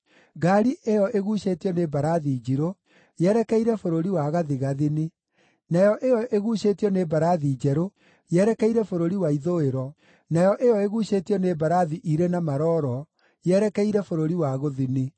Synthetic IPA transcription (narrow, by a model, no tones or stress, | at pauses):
ɡaɾiʔejɔʔeɣuɕetiɔnebaɾaðiːd͡ʒiɾo | jɛɾɛkɛiɾɛfoɾoɾiwaɣaðiɣaðini | najɔʔejɔʔeɣuɕetiɔnebaɾaðiːd͡ʒɛɾo | jɛɾɛkɛiɾɛfoɾoɾiwaiðoeɾɔ | najɔʔejɔeɣuɕetiɔnebaɾaðiʔiɾenamaɾɔːɾɔ | jɛɾɛkɛiɾɛfoɾoɾiwaɣoðini